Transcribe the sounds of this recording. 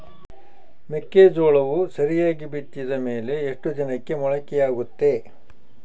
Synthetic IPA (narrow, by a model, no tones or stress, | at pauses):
mekːeːd͡ʒoːɭɐʋusɐɾijaːɡibit̪ːid̪ɐme̞ːle̞ːʂʈud͡ʒɐnɐkːe̞mɔɭɐkɛjaːɡut̪ːe̞